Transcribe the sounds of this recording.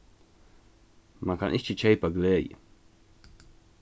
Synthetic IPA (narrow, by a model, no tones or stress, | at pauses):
makʰa̰nʔiʃt͡ʃət͡ʃʰejpaɡleːjə̰